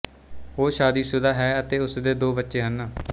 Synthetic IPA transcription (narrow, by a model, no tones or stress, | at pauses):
oːʃaːd̪iːsʊd̪aːɦɛːət̪eːʊsd̪eːd̪oːbətːʃeːɦənaː